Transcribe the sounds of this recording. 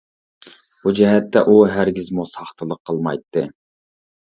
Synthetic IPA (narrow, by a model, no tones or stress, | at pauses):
bud͡ʒɛɦɛt̪ʰːɛ̰ʔuɦæɾɡʲizmosɑχt̪ʰɨlˠəqʰːəlˠmɑ̰jt̪ʰːɨ